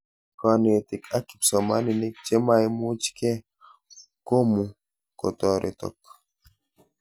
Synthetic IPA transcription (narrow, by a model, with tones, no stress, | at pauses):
kɔ˨ne˨tɪ˨ka˦ki̥˨psɔ˨ma˦ni˨ni˦k̚t͡ʃe˦ma˦e˦mu˦t͡ʃkɛ˦ | ko˦mu˨ | kɔ̰˨tɔ˨ɾʔḛ˨tɔ̰˨k